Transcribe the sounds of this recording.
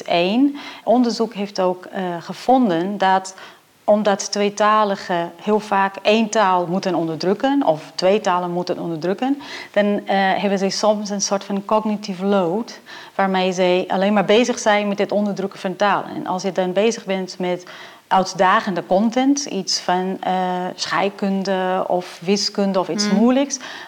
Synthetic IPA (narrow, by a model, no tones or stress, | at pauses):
eːnʔɔndəɹzukɦeːftoːkχəfɔndəndɔt | ɔmdɔttʋejtaːləɣəhɪəlˠfaːkeːntaːlˠmutənɔndəɹdrøkənɔftʋeːtaːlənmutənɔ̰ndəɹdrøkənd̥ɑnɦɛbənzɛjsɔmsənsoɹtfɔnkɔɡnitifloːt | ʋaɹmejzɛjʔa̰leːnmaɹbeːzəxsɛjnmɛt̚dɪtɔndəɹdrøkəfɔntaːlˠə̰nɛ̰nʔɑ̰lˠsjədɔnbeːzəɣbɛntmɛt | ʔœɥtdaːɣəndəkɔntɛntitsfɔnəsxɛ̰jkøndəɔ̰fʋɪskøndəɔfitsmuələks